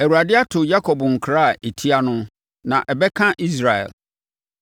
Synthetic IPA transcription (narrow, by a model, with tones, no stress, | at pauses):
ɛ˨wu˨ɾa˨dɪ˦a˦tʰʊ˨ja˦kʰɔ˨bŋ̩˨kʰɾa˦a˨e˨tʰi˦a˦nʊ̃˦ | nã˨ʔɛ˨bɛ˦kʰã˦ʔi˦s̬ɾa˨ɛ̰˨l